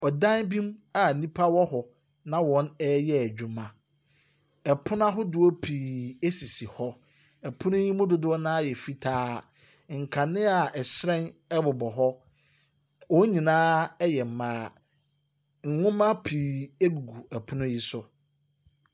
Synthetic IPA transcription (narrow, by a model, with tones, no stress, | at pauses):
ɔ˨dã˦nbĩ˦ma˨nĩ˦pʰa˦wɔ˦hɔ˨ | nã˦wɔ̃˨nɛ˦jɛ˦æ˨d͡ʑᶣũ˨mã˨ | ɛ˨pʰʊ˦n˦a˦ɦʊ˦dʊ˨o˦pʰiː˨e˦si˨si˨hɔ˦ | ɛ˨pʰʊ̃˦nʊ̃˦ji˦mʊ̃˦dʊ˦dʊ˦ɔ˦nãː˦jɛ˨fi˦tʰaː˦ | ŋ̩˨kʰã˨nɪ̃˦a˨ɛ˨sɾɛ̃˦nɛ˦bʊ˨bɔ˨ɦɔ˦ | wɔ̃˨˦ɲĩ˨nãː˦ɛ˦jɛ˨m̩˨mãː˨˦˨ | ŋ̩˨ŋʊ̃˦mã˦pʰiː˨e˦ɡu˨ɡu˨ɛ˨pʰʊ˦nʊ̃˦ji˦sʊ˦